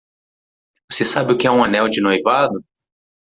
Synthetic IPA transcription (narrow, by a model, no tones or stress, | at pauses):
vosesabɪʊkɪɛũɐnɛwd͡ʒɪnojvad̪ʊ